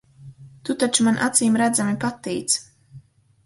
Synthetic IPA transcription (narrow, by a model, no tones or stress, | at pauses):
t̪ut̪at͡ʃumanʔat̪siːmɾæd̪zamipat̪ːiːt̪s